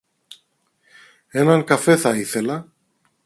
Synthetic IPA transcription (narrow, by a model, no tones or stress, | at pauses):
e̞nɐŋkɐfe̞θɐiθe̞lɐ